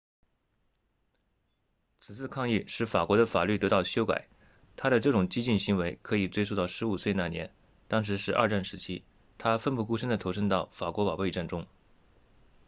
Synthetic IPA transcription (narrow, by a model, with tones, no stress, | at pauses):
t͡sʰɹ̩˨˩t͡sʰɹ̩˥˧kʰɑ˥˧ŋi˥˩ʂɻ̩˥˩fa˨˩kwɔ˧˥ɾə˧fa̰˨˩ly˥˩t̪ɤ˧˥t̪ɑ˥˩ʊɕjo˥ʊka̰˨˩˦ɪ | t̪ʰa˥ɾə˨ʈ͡ʂɤ˥˩ʈ͡ʂʊ˨˩ŋt͡ɕi˥t͡ɕi˥˩nɕi˧˥ŋwe˧˥ɪkʰɤ˧˥i˨˩t͡swe˥ɪo˥˧t̪ɑ˥˩ʊʂɻ̩˧˥u˨˩swe˥˧ɪna˥˩njɛ̰˧˥n | t̪ɑ˥ŋʂ̬ɻ̩˧˥ʂɻ̩˥˧ʔɐ̰˥˧ʈ͡ʂa˥˩nʂɻ̩˧˥t͡ɕʰi˥ | t̪ʰa˥fə˥˧npu˥˩ku˥ʂə˥ŋd̪ə˨t̪ʰo˧˥ʊʂ̬ə˥ŋt̪ɑ˥˩ʊfa˨˩kwɔ˧˥pɑ˨˩ʊpe˥˧ɪʈ͡ʂa˥˩nʈ͡ʂʊ˥ŋ